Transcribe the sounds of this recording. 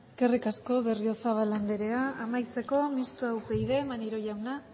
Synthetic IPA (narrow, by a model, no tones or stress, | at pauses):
eske̞rikasko̞βe̞rio̞saβ̞aland̪eɾe̞aːmajt͡se̞ko̞mist̪oawpe̞jðe̞maniɾo̞ʝawna